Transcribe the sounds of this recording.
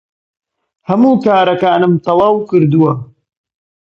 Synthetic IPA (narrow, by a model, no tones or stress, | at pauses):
hɐmuːkaːɾɐkaːnɨmt̪ɑlˠɑːwkɨɾd̪uwɐ